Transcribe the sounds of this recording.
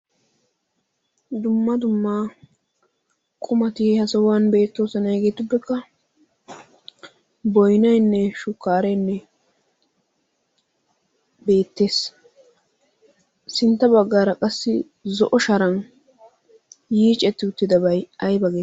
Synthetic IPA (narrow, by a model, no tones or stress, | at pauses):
d̪ʊmːɐd̪ʊmːaː | kʼʊmɐt̪ɪhɐsɐwaːnbe̞ːt̪ːo̞ːsɐnɐjɛɡeːt̪ːʊbːɛkːɐ | bɔjnɐjnːɛʃʊkːaːɾɛjnːɛ | be̞ːt̪ːe̞ːs | sɪnt̪ːɐbɐɡːaːɾɐkʼɐsːɪ | zɔʔɔʃɐɾɐn | jiːt͡ʃʼɛt̪ːɪʊt̪ːɪd̪ɐbɐjɐjbɐɡeː